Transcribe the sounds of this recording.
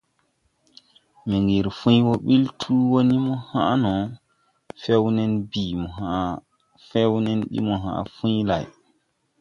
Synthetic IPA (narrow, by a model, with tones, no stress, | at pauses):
mi˨ŋɡi˨ɾfũ˦jwo˦ɓi˦ltʰuː˦wo˦ni˦mɔ˦ha˦nɔ˨ | fe˦wnɛ˦nbi˨mɔ˨ɦa˨ | fe˦wnɛ˦nɗḭ˦mɔ˨ɦã̰˨fũ˦jla˨j